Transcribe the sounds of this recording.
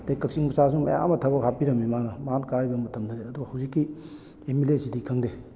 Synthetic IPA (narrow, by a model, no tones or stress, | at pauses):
tekɐk̚siŋmɐsas̬uŋmɐ̰ja̰ŋɐ̰mɐtʰɐbɐkhʰapiɾɐmːimanɐmankaɾibɐmɐtʰɐmdʰɐdeɐduɡahɐwzikːi | emilesidikʰɐŋde